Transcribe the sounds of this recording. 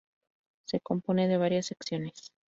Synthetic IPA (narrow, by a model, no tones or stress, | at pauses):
se̞ko̞mpo̞ne̞ðe̞β̞aɾjasːeksjo̞nes